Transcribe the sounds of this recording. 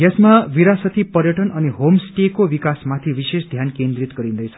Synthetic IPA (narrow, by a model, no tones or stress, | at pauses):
ɡesmaʋiɾasʌt̪ʰipʌɾjʌʈʌnʌniɦomsʈekoʋikasmat̪ʰiʋisesd̪ʱjankend̪ɾit̪ɡʌɾĩnd̪ʌjt͡sʰʌ